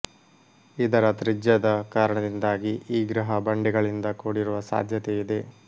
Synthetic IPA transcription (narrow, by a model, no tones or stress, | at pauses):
id̪ɐɾɐt̪ɾid͡ʒjɐd̪ɐkaːɾɐɳɐd̪ind̪aːɡiʔiːɡɾɐɦɐbɐɳɖiɡɐɭind̪ɐkoːɽiɾuʋɐsa̰ːd̪ʱjɐt̪eid̪e̞